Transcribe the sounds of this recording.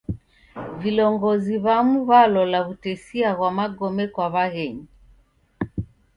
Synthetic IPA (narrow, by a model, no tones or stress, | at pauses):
vilɔŋɡɔziβamuβalɔlaβutɛsiaɣwamaɡɔmɛkwaβaɣɛɲi